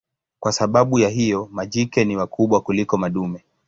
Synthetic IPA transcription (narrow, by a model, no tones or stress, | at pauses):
kwasaɓaɓujaɦijɔmaʄikɛniwakʰuɓwakulikɔmaɗumɛ